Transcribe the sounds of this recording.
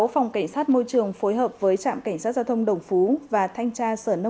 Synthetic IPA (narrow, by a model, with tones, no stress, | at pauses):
fa˨˩wŋ͡mka˧˩jŋ̟saː˦˥t̚mo˧jt͡ɕɨ˨˩əŋfo˨˦jɦəː˨˩p̚vəː˨˦jt͡ɕa̰ː˧˨mka˧˩jŋ̟saː˦˥t̚zaː˧t̪ʰwŋ͡mɗə˨˩wŋ͡mfu˨˦vaː˨˩t̪ʰa˧jŋ̟t͡ɕaː˧səː˧˩nə˧